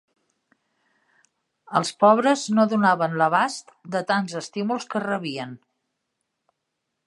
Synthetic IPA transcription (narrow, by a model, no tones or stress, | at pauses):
əlˠspɔβ̞ɾəznoðunaβənləβast̪d̪ət̪anzəst̪imulˠskərəβiən